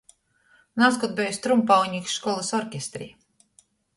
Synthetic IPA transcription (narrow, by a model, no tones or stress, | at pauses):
naːskɔt̪̚bʲejust̪ɾumpawɲʲiksʃkɔlˠasɔɾkʲest̪ɾḭː